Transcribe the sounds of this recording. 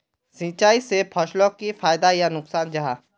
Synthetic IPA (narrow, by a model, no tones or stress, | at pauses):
sĩːt͡ʃaːisepʰɐʃlõkifaːjd̪ajanʊksaːnd͡ʒɐɦaː